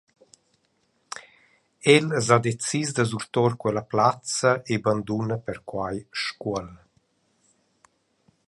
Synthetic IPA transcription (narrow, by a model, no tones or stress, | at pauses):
ɛlzad̪et͡sizd̪əzuɾt̪ɔɾkwɛlaplat͡səʔeband̪unəpɛɾkwajʃkuəl